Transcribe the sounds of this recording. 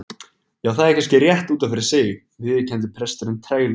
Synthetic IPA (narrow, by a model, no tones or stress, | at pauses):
jaːwθaðɛhkʰanscɪrjɛht̪uːt̪anfɪɾɪɾ̥sɪːɣ | vɪðcʰɛnt̪̬ɪpʰɾɛst̪ʏɾʏnt̪ʰɾeːjl